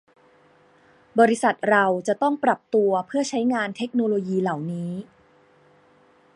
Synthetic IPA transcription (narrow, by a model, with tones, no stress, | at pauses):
bɔː˧ɾi˦˥sa˨˩t̪̚ɾa˧wt͡ɕa˨˩t̪ɔ˥˩ŋpɾa˨˩p̚t̪u˧ɐpʰɯ˥˩ɐt͡ɕʰa˦˥jŋaː˧nt̪ʰe˦˥k̚noː˧loː˧jiː˧la˨˩wniː˦˥